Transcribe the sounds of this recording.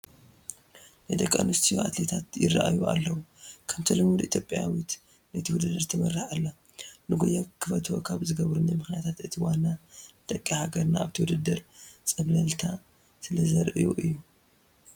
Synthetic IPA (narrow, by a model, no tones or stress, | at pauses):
najd̪ɐkʼːa̰nust̪ʰijoat̪le̞t̪ʰat̪jɪ̰rːa̰ʔa̰jua̰lːɐwukʰɐmt̪ʰɐlɨmud̪it̪ʰjo̞pʼja̰wit̪ | nɐt̪ʰiwud̪ɐd̪ɐɾt̪ʰɐmɐrːɨħalːa | nɨɡojakʰɨfɐt̪ʰwo̰kʰaβzɨɡɐβɾunːajmɨxnijat̪ʰat̪ʔɨt̪ʰiwanaɨt̪ʼɐkʼːihaɡɐɾnaːβt̪ʰiwud̪ɐd̪ɐɾt͡sʼɐβlɐlt̪ʰa | sɨlɐzɐɾʔɨjuʔɨjːu